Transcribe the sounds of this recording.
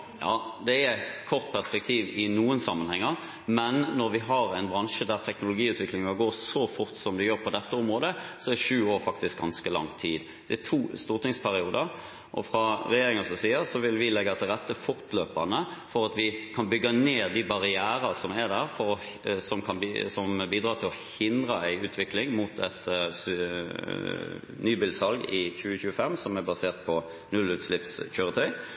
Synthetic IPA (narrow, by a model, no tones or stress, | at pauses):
jɑ̰ːd̪ɛækʰɔʁt̪̚pʰæʁspɛk̚t̪ʰiːʋɪnuːənsɑmːənhɛŋːɑʁ | mɛnːɔɾʋɪɦɑɾæɪnbɾɑnʂəd̪æɾt̪ʰɛknʊlʊɡiːʉːt̪ʰʋɪklɪŋɑɡoːʁsɔfʊɾt̪sɔmd̪ɪjøːɾpʰɔd̪ɛt̪ːəʊmɾʁoːd̪əsɔɛd̪ɛʂʉːoːɾfɑk̚t̪ɪsk̚ɡɑnskəlɑ̰ŋt̪ʰiːd̪ | d̪̥ɛɛt̪ʰuːst̪uːɾt̪ɪŋspʰæɾɪuːd̪əɾ | ʔɔ̰fɾɑɾɛjeːɾɪŋəsɔsiːəsɔʋɪlʋɪlɛɡːɑt̪ɛɾɛt̪ːəfʊɾt̪løːpɑnəfɔɾɑt̪ʋɪkʰɑnbʏɡːəneːd̪ɪbɑʁɪæːɾəsɔmæɾd̪æɾfɔɾ | sɔmkʰɑnsɔmbiːd̪ɾɑːt̪ʰɪlɔhɪnd̪ʁəæɪʉːt̪ʰʋɪklɪŋmut̪ʰɛt̪s | nyːbɪːlsɑlɡɪçʉːəçʉːəfɛmːsɔmæɾbɑseːʁt̪̚pʰɔ | nʉlːʉːt̪slɪpsçøːɾət̪ʰœʏ